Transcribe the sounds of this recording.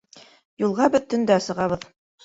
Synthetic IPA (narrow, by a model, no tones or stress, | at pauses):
julˠʁɑbɘ̆ðt̪ɵ̆nd̪æsɤ̆ʁɑβɤð